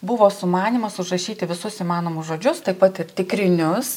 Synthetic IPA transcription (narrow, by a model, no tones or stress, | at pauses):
bʊʋoːsʊmɑːnʲiːmɐsʊʒrɐʃʲiːt̪ʲɪʋʲɪsʊsiːmɑːnoːmʊsʒoːd͡ʒʲʊst̪ɐɪpɐt̪ɪɾt̪ʲɪkɾʲɪnʲʊs